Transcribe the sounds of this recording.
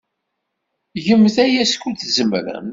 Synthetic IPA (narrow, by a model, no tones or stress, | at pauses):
ʝəmθæjæskuθzəmɾə̰m